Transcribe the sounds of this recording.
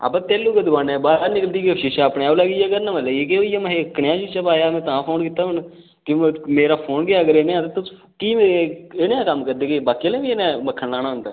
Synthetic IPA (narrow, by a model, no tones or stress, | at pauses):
a̰bãːt̪eːlːuːkəd̪ʊbãːnebaːɾaːnɪkəld̪iːkːʃɪʃaːpnẽaːləɡiːaːɡəɾnamələɡːkeoiːjaːmɦekːənjãːt͡ʃiːt͡ʃabaːjaːmɛ̃ːt̪ãːpʰoːnkit̪ːaːɦʊn | kɪmeːɾaːpʰoːnɡɪaːɡəɾeːneːãːt̪et̪ʊs | kiːmeeeːneãːkəmːkəɾd̪eːkebaːkiəlẽːʋiːeːnẽməkʰːənlaːñaːɦʊnd̪aː